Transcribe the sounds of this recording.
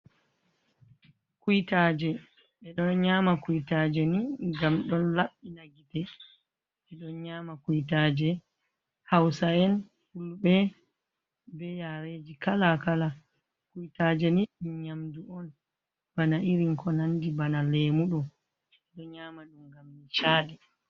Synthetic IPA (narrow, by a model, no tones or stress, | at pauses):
kujitaːd͡ʒɛ | ɓɛɗɔnɲamakujtad͡ʒɛniɡamɗɔnlaɓːinaɡitɛ | ɓɛɗɔnɲaːmakujtaːd͡ʒɛ | hawsaɛn | fuluɓɛ | bɛjaɾed͡ʒikalakala | kujtaːd͡ʒɛniɲamduɔn | b̥anaʔiɾiŋkɔnandibanalɛmuɗɔ | ɛɗɔɲaːmaɗumɡamnit͡ʃaːɗɛ